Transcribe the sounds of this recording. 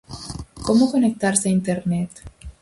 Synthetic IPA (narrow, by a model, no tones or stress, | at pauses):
komoko̞nek̚t̪aɾseaint̪eɾnet̪